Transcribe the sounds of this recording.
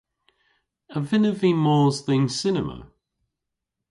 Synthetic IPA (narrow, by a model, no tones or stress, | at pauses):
əvɪnəvimɔːzðɪ̃ŋsɪnəmə̰